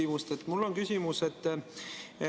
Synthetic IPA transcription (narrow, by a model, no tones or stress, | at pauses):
imust̪et̪ːmulːo̞nkysʲimuse̞t̪ː